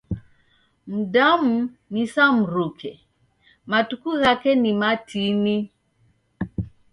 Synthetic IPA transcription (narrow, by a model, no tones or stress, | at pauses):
m̩damu | nisam̩ɾukʰɛ | matukuɣakɛnimatʰini